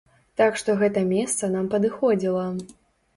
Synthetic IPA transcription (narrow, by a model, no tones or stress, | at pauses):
t̪akʂt̪ɔɣɛt̪ɐmʲɛst̪sɐnampɐd̪ɨxɔd͡zʲilˠɐ